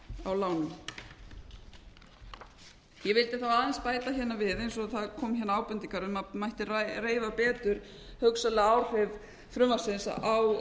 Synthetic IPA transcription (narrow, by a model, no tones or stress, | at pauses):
awlaːwnʏm | jɛvɪlt̪ɪθawaːðɛnspaːjt̪açɛnːavɪðejnsɔθaðkʰɔːmçɛnːaaːwpʏnt̪iŋkaɾʏmamajht̪ɪrareːjvapɛːt̪ʏɾ̥ | hœwksalɪawr̥ɛv | fɾʏmvasɪnsaw